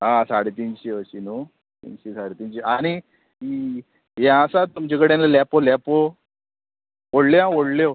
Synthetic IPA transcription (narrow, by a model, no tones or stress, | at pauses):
ãsaɽet̪inɕiʋəɕinu | t̪ḭnɕisaɽet̪inɕiañi | i | ɦjãasat̪umt͡ɕekəɽẽnalapolapo | oɽljãoɽljo